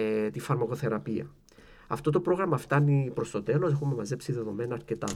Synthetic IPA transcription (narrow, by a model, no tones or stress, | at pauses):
t̪ifɐɾmɐko̞θe̞ɾɐpiɐ̰ | ɐ̰ft̪o̞t̪̬o̞pɾo̞ɣɾɐmɐft̪ɐnipɾo̞st̪o̞t̪e̞lo̞sexumːemɐze̞psiðe̞ðo̞me̞nɐːɾcet̪ɐ̰